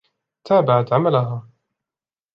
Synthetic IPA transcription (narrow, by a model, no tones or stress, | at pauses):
t̪ʰaːbaʕat̪ʕamalaɦaː